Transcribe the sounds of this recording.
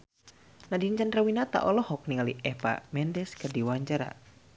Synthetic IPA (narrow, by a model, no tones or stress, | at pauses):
nadiɲt͡ʃandɾawinat̪a̰ʔɔlɔhɔk̚niŋaliʔɛpa̰mɛndɛskərdiwaɲd͡ʒaɾa̰